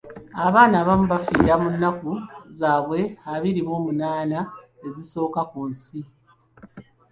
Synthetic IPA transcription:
aβaːnaβamuβafiːɾamunːakuzaːβwe̞aβiɾiβo̞ːmunaːna | e̞ziso̞ːkakunsi

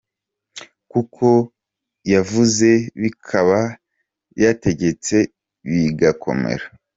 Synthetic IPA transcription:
kukʰo̞ | javuze̞βikʰaβa | jate̞ɟe̞t͡se̞ | βiɡakʰo̞̰mḛɾa

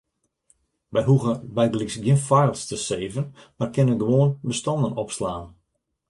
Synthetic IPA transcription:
ʋɛjɦuɣəbɛjdəliksɡjənfajlˠstəseːvənmarkɪnənɡəʋoːənbəstɔndənɔpslaːn

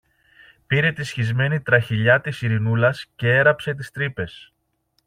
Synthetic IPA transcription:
piɾe̞t̪isçizme̞nit̪ɾɐçiʎɐt̪isiɾinulɐsce̞e̞ɾɐpse̞t̪̬ist̪ɾipe̞s

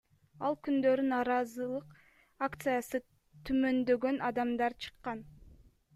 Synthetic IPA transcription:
ɑlˠkynd̪ø̞ɾynɑːɾɑzɯlˠɯq | akt̪sɨjasɯ | t̪ʰymø̞nd̪ø̞ɡø̞nʔɑd̪ɑmd̪ɑɾt͡ʃʰɯ̥qːɑn

